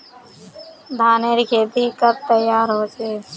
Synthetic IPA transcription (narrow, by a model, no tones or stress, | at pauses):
d̪ʱaːneːɾikʰeːt̪ikəɾ̚t̪əjaːɾɦoːd͡ʒeː